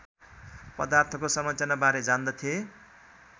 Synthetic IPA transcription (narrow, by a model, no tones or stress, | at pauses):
pʌd̪art̪ʰʌkosʌmʌt͡sanabaɾed͡zand̪ʌt̪ʰije